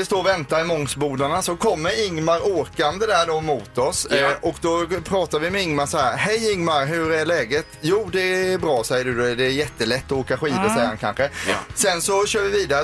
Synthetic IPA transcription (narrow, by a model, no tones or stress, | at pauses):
ɪst̪oːɾvɛnt̪aɾɪmɔŋsbuːd̪aɳasɔkʰɔmːəɾɪŋmaɾoːkand̪əd̪æɖɔmʊːt̪ɔsɔkd̪ɔpʰɾɑːt̪aɾvɪmɛɪŋmasahæːɾhɛjɪŋmaɾɦɵɾæɭɛːɡət̪juːd̪ɛbɾɑːsɛjːəɖɵd̪ɛd̪ɛːɾjɛt̪ːəlɛt̪ːɔoːkaɧiːd̪əsɛjɾhankʰa̰nɧəsɛnsɔɕøːɾvɪviːd̪aɾə